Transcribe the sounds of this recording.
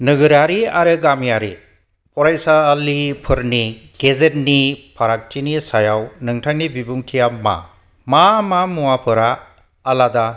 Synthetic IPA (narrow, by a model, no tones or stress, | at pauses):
nɯɡɯɾaɾiaɾɯɡamijaɾḭ | pɔɾajsalipʰɯɾniɡ̥ezet̚nipʰaɾak̚t͡ʃinisajawnɯŋtʰaŋnibibuŋkʰijama̰ | mamamuwapʰɯɾaː | lada